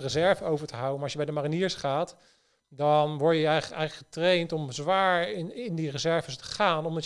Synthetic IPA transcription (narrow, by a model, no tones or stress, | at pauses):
rəzɛɹvəowvəɹtəɦawənmaːɹɔʃjəbɛjdəmariniːɹsχaːt | dɔnʋɔɹjəɛɛjχləkχətrejntɔmzʋaːɹɪndirəzɛɹvəstə̥χaːnɔmdɑ